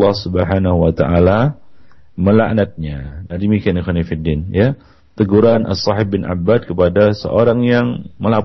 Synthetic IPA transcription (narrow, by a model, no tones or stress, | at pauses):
ɑhsubəħanaɦuwat̪a̰ʔala | məla̰ʔnat̪̚ɲadaɾimikɪanixanifidinja | t̪əɡuɾanʔa̰sːɑħɪb̚bɪnʔa̰bːad̪̚kəpadasə̰ʔoɾaŋjaŋməla